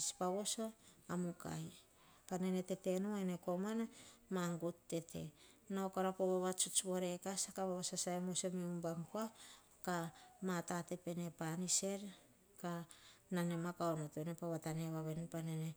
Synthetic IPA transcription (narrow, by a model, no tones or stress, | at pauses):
spaβo̞so̞amuka̰j | panene̞te̞tenuaeneko̞manamaŋɡutːe̞tʰe̞̰naokaɾapoβaβat͡ʃut͡ʃβoɾe̞kasakaβaβasasaemosomeumbaŋkoa | kamatate̞pe̞ne̞panise̞ɾ | kanane̞makaonotenepaβataneβaβe̞npanene